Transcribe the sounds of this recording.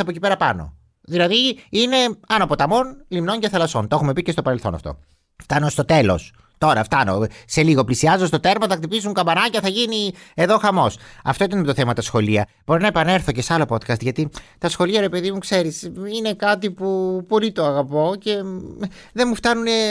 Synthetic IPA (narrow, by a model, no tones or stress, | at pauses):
ɐpocipe̞ɾɐpɐno̞̰ | ðilɐðiine̞ɐnopo̞t̪ɐmo̞nlimno̞ɲɟɐθɐlɐso̞nt̪oexume̞picest̪o̞pɐɾe̞lθo̞̰nɐ̰ft̪o̞̰ | ft̪ɐnost̪o̞t̪e̞lo̞̰s | t̪o̞ɾɐft̪ɐno̞̰se̞liɣo̞plisiɐzost̪o̞t̪e̞ɾmɐθɐkt̪ipizuŋkɐbɐnɐcɐθɐʝinie̞ðo̞xɐmo̞sɐ̰ft̪o̞it̪ɐnimet̪oθe̞mɐt̪ɐsxo̞liɐ | b̥o̞ɾinɐepɐne̞ɾθo̞ce̞seɐlo̞po̞t̪kɐst̪ʝɐt̪it̪ɐsxo̞liɐɾe̞pe̞ðimukse̞ɾisine̞kɐt̪ipupo̞lit̪o̞ɐɣɐpo̞ce̞ | ðenmuft̪ɐnune